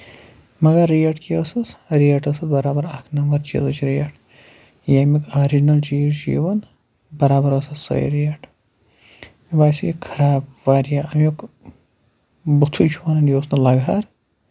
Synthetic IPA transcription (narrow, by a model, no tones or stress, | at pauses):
mɐɡaɾːijɐʈkiɐsɐsɾiɐʈɐsɐt̪bɐɾaːbɐɾaːkʰnɐmbɐɾt͡ʃḭzɐt͡ʃʰɾijɐʈʰ | jaːmikʰaɾid͡ʒinɐld͡ʒiːd͡ʒḭːʋɐn | bɐɾaːbɐɾɐsɐsɐ̰ḭɾijɐʈ | ibaːsijikʰɐɾaːbʋaːɾijaːɐmjok | but̪ʰut͡ʃʰuanɐnjoːsnɐlɐɡaːɾ